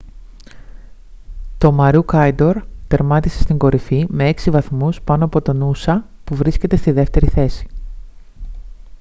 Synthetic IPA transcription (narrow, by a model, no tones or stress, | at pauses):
t̪o̞mɐɾukɐjd̪o̞ɾt̪e̞ɾmɐt̪ise̞̥st̪iŋɡo̞ɾifime̞eksivɐθmuspɐnoɐpo̞t̪o̞nusɐ | puvɾisce̞t̪e̞st̪iðe̞ft̪e̞ɾiθe̞si̥